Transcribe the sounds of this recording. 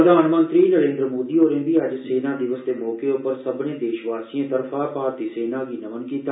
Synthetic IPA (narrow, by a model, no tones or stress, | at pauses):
d̪aːnmə̃nt̪ɾiːnəɾẽːnd̪ɾəmoːd̪iːoːɾẽːbiːəd͡ʒseːnãːd̪ɪʋəsd̪eːmɔːkeʊpəɾsəbnẽːd̪eːʃʋaːɾsiẽːt̪əɾpʰaːpaːɾt̪iːseːnãːɡiːnəʋənkiːt̪aː